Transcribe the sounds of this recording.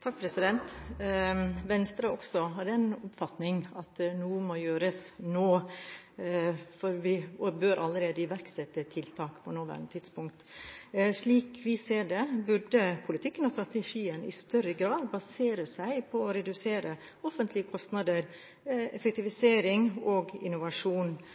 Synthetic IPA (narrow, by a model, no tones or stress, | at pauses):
t̪ʰɑk̚ːpʰɾɛsɪd̪ɛnt̪ | ʋɛnst̪ɾɑɔksɔɦɑɖ̪ɛænʊpfɑt̪nɪŋɑt̪nuːmojøːɾəsnoː | fɔɾʋɪɔbøːɾʔɑlːəɾeːd̪əɪʋæɾksɛt̪ːət̪ʰɪlt̪ʰɑːkpʰɔnoːʋæ̰ɾnət̪ʰɪt̪spʊŋk̚t̪ | ʂɭiːkʋɪseːɖɛbʉɖəpʰʊlɪt̪ʰɪkːənɔst̪ɾɑt̪ɛʂiːənɪ̰st̪œɾəɡɾɑːd̪bɑseːɾəsæɪpʰɔɔɾɛd̪ʉseːɾə | ɔfənt̪ʰlɪəkʰɔst̪nɑd̪əɾ | ɛfɛk̚t̪ɪʋɪseːɾɪŋɔɡɪ̰nʊʋɑʂuːn